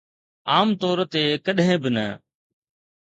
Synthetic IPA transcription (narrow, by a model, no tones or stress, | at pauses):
aːmt̪ɔːɾt̪eːkəɗɦẽːbɪnə̰